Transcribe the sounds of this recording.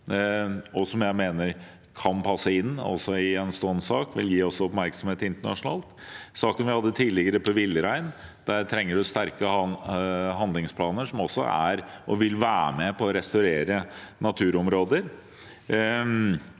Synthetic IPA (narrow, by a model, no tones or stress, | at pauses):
ɔsɔmjæɪmeːnəɾ | kʰɑnpʰɑsːəɪnːɔ̰sɔɪɛnst̪ɔnsɑːkʋɪ̰ljiːɔsːɔɔpmæɾksɔmheːt̪ɪnt̪əɳɑ̰ʂʊnɑ̰ːlt̪ | sɑːkənʋɪhɑd̪ːət̪ʰiːlɪɡəɾəpʰɔʋɪlːəɾæɪn | d̪æɾt̪ʰɾɛŋːəɖʉst̪æɾkə | ɦɑnd̪lɪŋspʰlɑːnəʂɔmɔsːɔ̰æ̰ɾʔɔʋɪlʋæːmɛpʰɔːɾɛst̪ɑʉɾeːɾənɑt̪ʰʉːɾɔmɾoːd̪əɾ